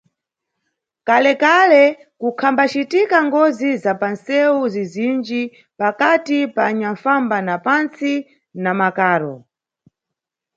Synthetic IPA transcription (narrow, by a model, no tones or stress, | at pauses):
kalɛkalɛkukʰambat͡ʃitikaŋɡɔzizapansɛuzizind͡ʒi | pakatipaːɲaɱfambanapant͡si | namakaːɾɔ